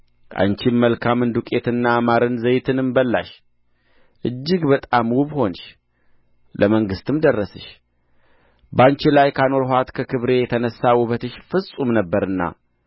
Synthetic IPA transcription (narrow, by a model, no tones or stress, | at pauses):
ʔa̰nt͡ʃimmːəlkʰamɨnd̪ukʼe̞t̪ɨnːaːmaɾɨnzəjt̪ʰɨnɨmbəlːa̰ʃ | ʔɨd͡ʒːɪɡbət̪ʼamwubho̞nʃ | lʔəməŋɡɨst̪ɨmd̪ərːəsɨʃ | bant͡ʃilajkʰano̞ɾhat̪kʰəkʰɨβɾe̞jɛt̪ʰənəsːawʊβət̪ɨʃfɨsʼumnəbːəɾɨnːa̰